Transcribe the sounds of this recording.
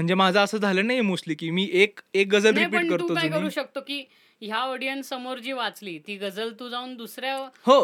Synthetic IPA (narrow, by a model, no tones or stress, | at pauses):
m̤əɳd͡zemad͡zʱaəsəːd͡zʱaləːnajemosliːkiːmiːʔekek̚ɡəd͡zəlnaɾijpiːəʈɳkəɾt̪ũːokad͡zujnkəɾuːɕək̚t̪okiː | ɦjaəɽijənsəmoɾd͡ʑiːʋat͡sliːt̪iːɡəd͡zəlt̪uːd͡zauːnd̪usɾjaɦo